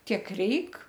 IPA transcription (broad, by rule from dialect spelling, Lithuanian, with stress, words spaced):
ˈtʲiɛk ˈrʲɛɪk